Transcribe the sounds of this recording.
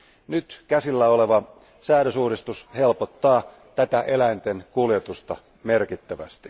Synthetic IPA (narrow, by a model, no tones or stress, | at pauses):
nyt̪kæsilːæole̞ʋɑ | sæːɾøsuːɾist̪ushe̞lpot̪ːɑː | t̪æt̪æʔe̞læint̪e̞nkuljet̪ust̪ɑ̰ | me̞rkit̪ːæʋæ̰st̪i̥